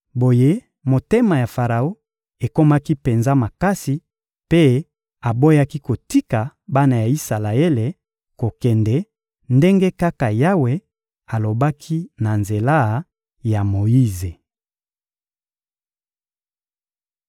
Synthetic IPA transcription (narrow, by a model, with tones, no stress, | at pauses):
bo˨je˦ | mo˨te˦ma˨ja˨fa˨ʁa˨o˦ | e˨ko˦ma˦ki˦pe˨nza˦ma˨ka˦si˨ | pe˦ | a˨bo˦ja˦ki˦ko˨ti˦ka˨ba˦na˨ja˨i˦sa˨la˨e˦le˨ | ko˨kɛ˨ndɛ˨ | nde˦ŋɡe˦ka˦ka˨ja˦we˨ | a˨lo˨ba˦kʰi˦na˨nze˨la˦ | ja˨mo˨i˦ze˨